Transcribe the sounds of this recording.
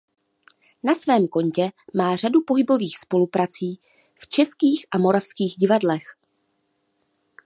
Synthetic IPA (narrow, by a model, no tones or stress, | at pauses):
nasvɛːmko̞ɲcɛmaːr̝adupo̞ɦɪbo̞viːxspo̞lupɾat͡siː | ft͡ʃɛskiːxʔamo̞ɾafskiːɣɟɪvadlɛx